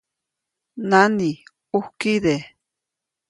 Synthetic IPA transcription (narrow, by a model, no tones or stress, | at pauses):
nani | uhkiðe